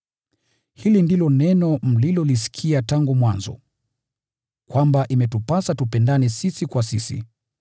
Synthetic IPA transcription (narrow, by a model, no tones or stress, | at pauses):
hilindilɔnɛnɔm̩lilɔlis̬i̥kʰiataŋɡumwanzɔ̰ | kwambaʔimɛtupasatupɛndanisisikwasisḭ